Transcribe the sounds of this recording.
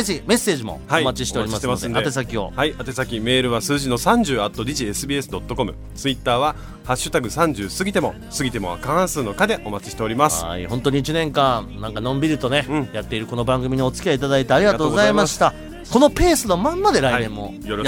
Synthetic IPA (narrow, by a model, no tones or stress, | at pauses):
ime̞se̞ːʑimo̞̰haoimat͡ɕiɕi̥t̪e̞ɾʲimasod̪eat̪e̞sakʲio̞̰haiat̪e̞sakʲime̞ːɾɯ̟βasɨːʑino̞sãɲ̟d͡ʑɨːat̪ːo̞d̪ʲiʑiesɨbʲiːesɨd̪o̞t̪ːo̞ko̞mɯ̟ | t͡sɨit̪ːaːβa | haɕːɨt̪aɡɯ̟sãɲ̟d͡ʑɨːsɨɡʲit̪e̞mo̞ | sɨɡʲit̪e̞mo̞a̰kããsɨːno̞kad̪e̞ʔo̞mat͡ɕi̥ɕi̥t̪e̞o̞ɾimasɨ̥̰ḭhõ̞nt̪o̞ɲ̟iːt͡ɕinẽ̞ŋkãnãŋkanõ̞mbʲiɾɯ̟t̪o̞nẽ̞jat̪ːe̞iɾɯ̟ko̞no̞bãŋɡɯ̟mʲiɲio̞t͡sɨ̥kʲiait̪ad̪ait̪eaɾʲiɡat̪oːɡozaimaɕi̥t̪a | ko̞no̞pe̞ːsɨnomãmːad̪e̞ɾaiẽ̞mːo̞ | jo